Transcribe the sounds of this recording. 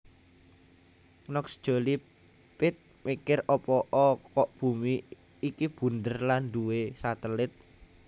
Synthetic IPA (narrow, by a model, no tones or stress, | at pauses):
nɔksd̥ʒ̥o̤li | pɪt̪̚mikɪrɔpɔʔɔkɔʔb̥ṳmiː | kib̥ṳnd̪ərland̪uwesat̪əlɪt̪̚